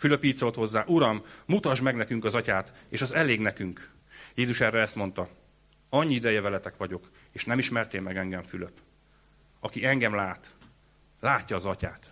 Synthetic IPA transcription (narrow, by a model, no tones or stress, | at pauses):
fyløpiːt̪so̞lt̪ho̞zːaːʔuɾɒmːmut̪ɒʒmɛɡnɛkyŋkɒzɒcaːt̪eːʃɒzɛleːɡnɛkyŋk | jeːzuʃɛrːɛɛst̪mo̞n̪t̪ɒ | ɒɲːiid̪ɛjɛvɛlɛt̪ɛkʋɒɟo̞k | eːʃnɛmiʃmɛrt̪eːlmɛɡɛŋɡɛɱfylø̞p | ɒkiɛŋɡɛmlaːt̪ | laːcːɒːzɒcaːt̪